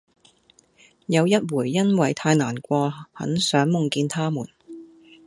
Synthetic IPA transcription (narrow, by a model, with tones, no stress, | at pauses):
jɐ˨˧wjɐ˥t̚wuː˨˩jːɐ˥nwɐ˨jt̪ʰaː˧jnaː˨˩nkʷɔː˧hɐ̰˨˥nsœː˨˥ŋmʊ˨˩ŋkiː˧nt̪ʰaː˥muː˨˩n